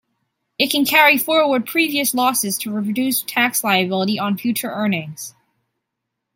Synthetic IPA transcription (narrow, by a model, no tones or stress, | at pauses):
ɨt̚kʰɨ̃n̩kʰɛɹifɔɹwə˞d̚pʰɹ̥iviɨslɔsɨz̥tʰɨɹipʰɹ̥ədʉstʰækslaɪɨbɪlˠəɾiʔə̃nfjʉt͡ʃə˞ʔɜ˞nɪ̃ŋz̥